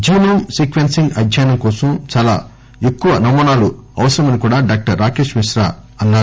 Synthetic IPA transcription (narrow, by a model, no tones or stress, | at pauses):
d͡ʒiːnɐmsiːkʋensiŋɡɐdʱjaːjnɐmkɔːsɐmt͡ʃaːla̰ː | ekːuʋɐnɐmɔːnaːluɐʋɐsɐɾɐmɐnikuːɽaːɖaːk̚ʈɐɾːaːke̞ːʃmiʃɾa̰ːɐnːaːɾu